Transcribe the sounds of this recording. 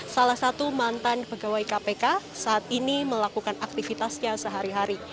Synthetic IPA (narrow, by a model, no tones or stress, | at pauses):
salahsat̪umant̪anbəɡawajkapekasaʔːt̪̚iniməlakukanak̚t̪ifit̪asɲasəɦaɾiɦaɾi